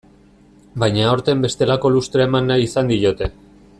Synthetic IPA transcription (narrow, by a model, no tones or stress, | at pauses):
bajɲaoɾt̪e̞mbe̞st̪e̞lako̞lust̪ɾaemanːajisand̪io̞t̪e̞